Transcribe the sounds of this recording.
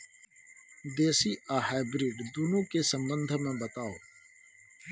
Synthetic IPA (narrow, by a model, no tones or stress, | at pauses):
d̪eːsiʔaɦaːɪbɾiːɖd̪uːnũkesə̃mbə̃nd̪ʱmẽbət̪aːoː